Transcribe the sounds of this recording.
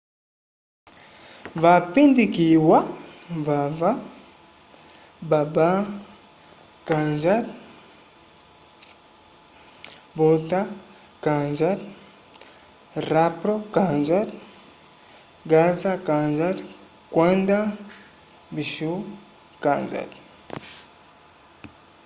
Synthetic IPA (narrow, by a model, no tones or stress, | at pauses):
vapindikiwavava | baba | kanzat | bota | kanzat | rapɾokanzat | ɡazakanzat | kwanda | biʃu | kanza̰d